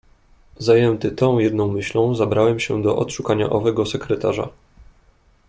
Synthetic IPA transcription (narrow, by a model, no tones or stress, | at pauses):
zajɛnt̪ɘt̪ɔ̃w̃jɛd̪nɔ̃w̃mɘɕlɔ̃w̃zabɾawɛmɕɛ̰d̪ɔʔɔt̪ʂukaɲa̰ʔɔvɛɡɔsɛkɾɛt̪aʐa̰